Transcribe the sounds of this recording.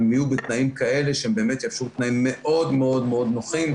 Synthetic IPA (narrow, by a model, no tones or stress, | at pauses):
mijubet̪naimkae̞le̞ʃehembe̞ːme̞t̪jafʃut̪naimːe̞ʔʔo̞d̪meo̞d̪me̞o̞d̪no̞χim